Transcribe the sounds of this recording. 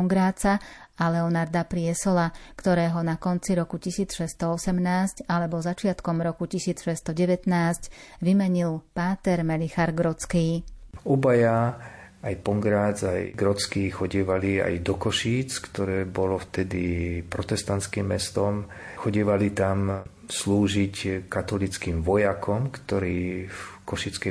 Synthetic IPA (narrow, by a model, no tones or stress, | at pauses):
ŋɡɾaːt͡saalɛɔnaɾd̪apɾɪɛsɔlakt̪ɔɾɛːɦɔnakɔnt͡siɾɔkucisiːt͡sʃɛst̪ɔɔsɛmnaːscalɛbɔzat͡ʃɪat̪kɔmɾɔkucisiːt͡sʃɛst̪ɔɟɛʋɛt̪naːzcʋimɛɲilpaːt̪ɛɾmɛlixaɾɡɾɔt͡skiːɔbaja | ajpɔŋɡɾaːd͡zajɡɾɔt͡skiːxɔɟiʋalia̰jd̪ɔkɔʃiːt͡skt̪ɔɾɛːbɔlɔft̪ɛd̪ipɾɔt̪ɛst̪ant̪skiːmːɛst̪ɔm | xɔɟiɛʋalit̪am | sluːʒickat̪ɔlit͡skiːmʋɔjakʰɔmkt̪ɔɾiːfkɔʃit͡skɛ